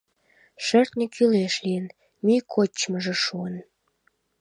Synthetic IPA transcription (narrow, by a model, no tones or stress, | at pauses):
ʃərt̪nikyleʃlijən | mikʰot͡ɕːməʒĕʃuən